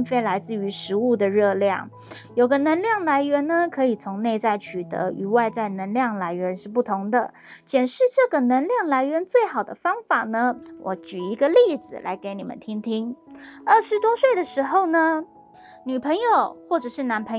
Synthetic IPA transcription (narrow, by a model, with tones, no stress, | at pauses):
nfe˥ɪla˧˥ɪt͡sɹ̩˥˩y˧˥ʂɻ̩˧˥u˥˩d̪ə˩ɻɤ˥˧ljɑ̰˥˩ŋ | jo˨˩ʊɡə˦nə˧˥nljɑ˥˩ŋla˧˥ɪɥɛ˧˥nnə˧kʰɤ˧˥i˨˩t͡sʰʊ˧˥ŋne˥˧ɪt͡sa˥˩ɪt͡ɕʰy˨˩t̪ə̰˧˥y̰˧˥wa˥˧ɪt͡sa˥˩ɪnə˧˥nljɑ˥˩ŋla˧˥ɪɥɛ˧˥nʂɻ̩˥˧p̬u˥˩t̪ʰʊ˧˥ŋd̪ə̰˧ | t͡ɕjɛ˨˩nʂɻ̩˥˧ʈ͡ʂɤ˥˩ɡə˩nə˧˥nljɑ˥˩ŋla˧˥ɪɥɛ˧˥nt͡swe˥˩ɪxɑ˨˩ʊd̪ə̰˦fɑ˥ŋfa˨˩nə˦wʔɔ̰˧˥t͡ɕy˨˩i˧˥ɡə˧li˥˩d͡zɹ̩˨˩la̰˧˥ɪke˧˥ɪni˨˩mə̰˦nt̪ʰi˥ŋt̪ʰi˥ŋə˥˩ʂɻ̩˧˥t̪wɔ˥swe˥˩ɪd̪ə˩ʂɻ̩˧˥xo˥˩ʊnə˩ | ny˨˩pʰɤ˧˥ŋjo˨˩ʊxwɔ˥˩ʈ͡ʂɤ˨˩ʂɻ̩˥˩na˧˥npʰɤ˧˥